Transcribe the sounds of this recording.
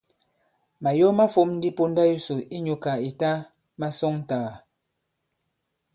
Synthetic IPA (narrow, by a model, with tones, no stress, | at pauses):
ma˨jɔ˦ma˦fo˦mn̩˦di˦po˦nda˦ju˦so˨i˦ɲo˨ka˨i˨ta˦ | ma˦sɔ˦ŋ˦˨ta˨ɣa˨